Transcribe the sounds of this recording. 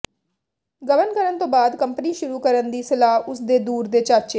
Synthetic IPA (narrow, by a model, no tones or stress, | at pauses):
ɡəʋənkəɾənt̪õːbaːd̪kəmpəniːʃʊɾuːkəɾənd̪iːsɪlaːɦʊsd̪eːd̪uːɾd̪eːt͡ʃaːt͡ʃeː